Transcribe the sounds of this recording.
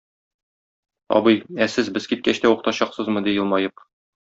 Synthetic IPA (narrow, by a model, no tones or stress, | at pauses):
ɒ̰bɤjæsɘzbɘzkit̪̚kæɕt̪æwuqt̪ɑɕɑqsɤzmɤd̪ijɤ̆lˠmɑjɤp